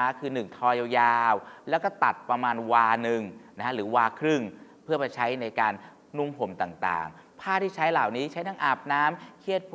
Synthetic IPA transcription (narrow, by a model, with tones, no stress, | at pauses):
aː˧˥kʰɯː˧nɯ˨˩ŋt̪ʰɔː˧ja˧wjaː˧wlɛː˦˥wkɔː˥˩t̪a̰˨˩t̪̚pɾa˧maː˧nwaː˧nɯ˨˩ŋna˧˦˥a˥ɾɯː˩˦waː˧kʰɾɯ˥˩ŋ | pʰɯ˥˩ɐpa˧jt͡ɕʰa˦˥jna˧jkaː˧nː | u˥˩mpʰo˨˩˦mt̪aː˨˩ŋt̪a̰ː˨˩ŋ | pʰaː˥˩t̪ʰiː˥˩t͡ɕʰa˦˥jlaː˨˩wniː˦˥t͡ɕʰa˦˥jt̪ʰa˦˥ŋʔaː˨˩p̚naː˦˥mkʰi˦˥˩ət̪̚pʰ